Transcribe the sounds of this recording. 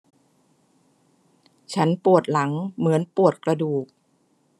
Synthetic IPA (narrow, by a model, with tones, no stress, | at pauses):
t͡ɕʰa˦˥npu˨˩ət̪̚la˩˦ŋmɯ˩˦ənpu˨˩ət̪̚kɾa˧duː˨˩k̚